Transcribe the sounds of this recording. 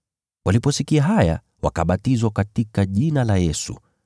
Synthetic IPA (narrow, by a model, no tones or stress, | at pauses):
wʔalipɔsikiaɦaja̰ | wa̰kaɓatizwakatikaʄinalajɛsṵ